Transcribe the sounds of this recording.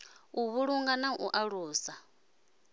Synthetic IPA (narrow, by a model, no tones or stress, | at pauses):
uβuɺuŋɡanaʔuʔaɺuːsa